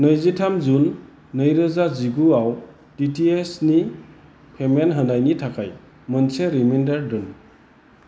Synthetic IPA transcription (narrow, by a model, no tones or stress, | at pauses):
nəjzitʰamzunː | əjɾɯzaziɡuaw | titʰiesni | pʰemenɦənajnitʰakʰaj | mənseɾimendaɾdɯn